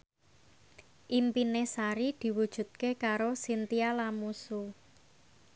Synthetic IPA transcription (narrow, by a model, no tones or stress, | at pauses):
ʔimpinesaɾid̪̥i̤wud̥ʒ̥ṳt̪̚kekaɾosint̪ialamusu